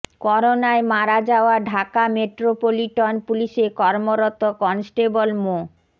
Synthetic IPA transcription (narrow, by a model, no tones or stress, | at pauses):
kɔɾonaemaɾad͡ʑaoaɖʱakameʈɾopoliʈɔnpuliʃekɔɾmoɾot̪okɔnsʈebolmo